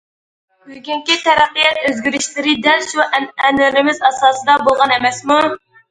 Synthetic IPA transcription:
byɡʲyŋkʲit̪ʰɛɾæqːijɛt̪øzɡʲiɾɪʃlɪɾɪd̪ɛlʃuɛnɪlɪmɪzɑsɑːsɨd̪ɑbolˠʁɑnemɛsmu

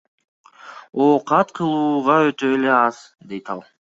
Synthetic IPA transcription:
oqɑt̪qʰɯlˠuːʁɑøt̪øːle̞ɑz̥ | d̪e̞jt̪ɑ̰lˠ

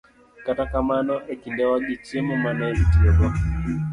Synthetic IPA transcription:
katakamanɔʔɛkindɛwaɡit͡ʃimumanaɛmitiɔɡɔ

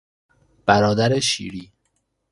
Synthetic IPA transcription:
b̥æɾɒːd̪æɾeʃḭːɾiː

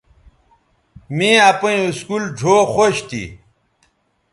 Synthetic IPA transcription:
mĩapɐ̃uskulɖʱoːxoɕt̪ḭ

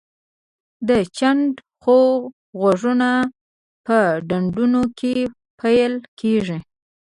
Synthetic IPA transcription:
d̪ət͡ʃaɳɖ | xo | ɣwaʐuna | pəɖaɳɖunokʰe | pʰajlkʰeʐi

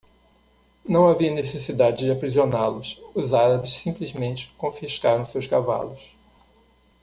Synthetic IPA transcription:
nɐ̃w̃aviɐnesesid̪ad͡ʒɪd͡ʒɪapɾizionalʊsʊzaɾɐbɪssĩmplizmẽnt͡ʃɪ̥kõfiʃkaɾɐ̃w̃sewskava̰lʊs

